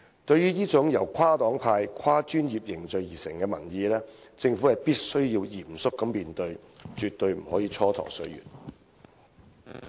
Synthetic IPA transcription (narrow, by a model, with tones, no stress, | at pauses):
t̪ɵ˧ɥjyː˥jiː˥t͡sʊ˨˥ŋjɐ˨˩wkʷʰwaː˥t̪ɔː˨˥ŋpʰaː˧jkʷʰaː˥t͡ʃyː˥nji˨p̚jɪ˨˩ŋt͡sɵ˨˧ɥjiː˨˩sɪ̰˨˩ŋkɛː˧mɐ̰˨˩njiː˧lɛː˥t͡sɪ˧ŋfuː˨˥hɐ˨jpiː˥t̚sɵ˥ɥjiː˧wji˨˩m̩˨sʊ˥kːɐ˨˥mːiː˨nt̪ɵ˧ɥt͡syː˨t̪ɵ˧ɥm̩˨˩hɔ̰ː˨˥jiː˧t͡sʰɔː˥t̪ʰɔ̰ː˨˩ŋsɵ̰˨˥ɥjy̰˨˩n